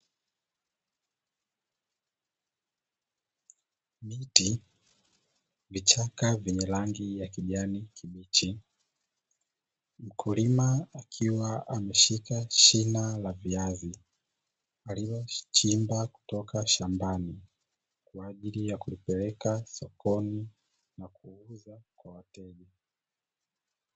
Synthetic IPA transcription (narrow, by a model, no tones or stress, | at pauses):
miti | vit͡ʃakavɛɲɛlaŋɡijakiʄanikʰimit͡ʃi | m̩kʰulimaakʰiwaamɛʃikaʃinalaviazi | aliwɔt͡ʃimbaku̥tɔkaʃambani | kwaːʄilijakulipɛlɛkasɔkɔni | nakuuzakwawatɛʄɛ